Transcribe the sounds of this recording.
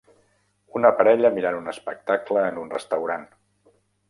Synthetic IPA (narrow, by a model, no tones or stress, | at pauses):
unəpəɾɛʎəmiɾanunəspək̚t̪akləːnunrə̰st̪əwɾan